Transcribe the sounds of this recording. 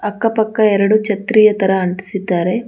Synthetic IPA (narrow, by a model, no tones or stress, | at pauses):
ɐkːɐpɐkːɐɛɾɐɽut͡ʃɐt̪ɾiːjɐt̪ɐɾɐːɳʈi̥sit̪aːɾe